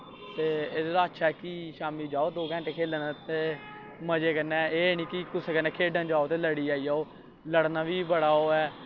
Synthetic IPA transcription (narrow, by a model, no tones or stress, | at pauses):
t̪eːeːdd̪aːətːʃʰaːɛːkiːʃaːmiːd͡ʒaːoːd̪oːɡɛ̃ːɳʈeːkʰeːlənt̪eː | məd͡ʒeːkənɛ̃ːeːnĩːkɪkʊseːkənɛ̃ːkʰeːɖənd͡ʒaːoːt̪eːləɽiːaːiːaːoː | ləɽnaːʋiːbəɽaːoːɛː